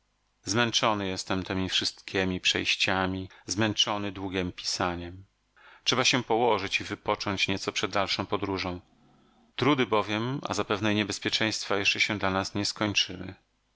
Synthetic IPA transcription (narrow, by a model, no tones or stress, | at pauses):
zmɛnt͡ʂɔnɘjɛst̪ɛmt̪ʰɛmʲifʂɘst̪kʲɛmʲipʂɛ̰jɕt͡ɕamʲizmɛnt͡ʂɔnɘd̪wuɡʲɛmpʲi̥saɲɛm | tʂɛbaɕɛpɔwɔʐɘt͡ɕivɘpɔt͡ʂɔɲt͡ɕɲɛt̪sɔpʂɛd̪ːalʂɔ̃w̃pɔd̪ɾuʐɔ̃w̃ | t̪ɾud̪ɘbɔvʲjɛma̰zapɛvnɛɲɛbɛspʲjɛt͡ʂɛ̃j̃st̪fajɛʂt͡ʂɛɕɛ̃d̪lanasɲɛskɔɲt͡ʂɘwɘ̰